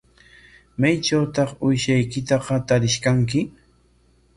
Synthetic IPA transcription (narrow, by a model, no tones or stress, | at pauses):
majt͡ʃawt̪ɑχʊjʃajkɪt̪ɑqɑt̪aɾɪʃkaŋk̬ɪ